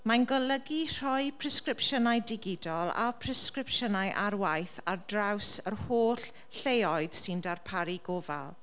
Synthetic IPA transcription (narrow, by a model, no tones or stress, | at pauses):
manɡɔləɡir̥ɔjpʰrɛskrɪpʃənajdɪɡɪdɔlˠa̰pʰrɛskrɪpʃənajʔarwajθardrawsərhoːɬ | ɬejɔɨð̥sɪndarpʰaɾiɡoːva̰lˠ